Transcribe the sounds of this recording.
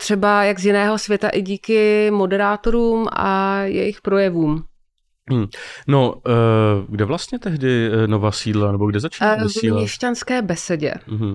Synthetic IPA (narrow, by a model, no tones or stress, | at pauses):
t̪r̥ɛbajaɡzjɪnɛːɦo̞svjɛt̪aʔɪɟiːkɪmo̞dɛɾaːt̪o̞ɾuːmʔa̰jɛ̰jɪxpɾo̞jɛvuːm̩ | no | ɡdɛvlast̪ɲɛt̪ɛɦdɪnovaːsiːdlanɛboɡdɛzat͡ʃiaviːlɲlɲɛʃcanskɛːbɛsɛɟɛ̰ɦm̩